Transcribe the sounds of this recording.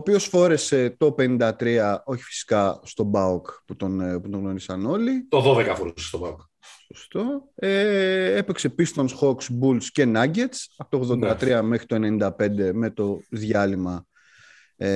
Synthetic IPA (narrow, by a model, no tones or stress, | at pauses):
oːpio̞sfo̞ɾe̞se̞t̪o̞penind̪ɐt̪ɾiɐo̞çi̥fi̥si̥kɐst̪o̞bɐokput̪onput̪oŋɣno̞ɾisɐno̞lit̪oðoðekɐfoɾusst̪obɐuk | so̞st̪o̞eepekse̞pist̪o̞nsxo̞ksbulsce̞nɐɟe̞t̪sɐpot̪oɣðo̞nd̪ɐt̪ɾiɐme̞xɾit̪o̞e̞ne̞nind̪ɐpe̞nd̪e̞me̞t̪o̞ðʝɐlimɐ | e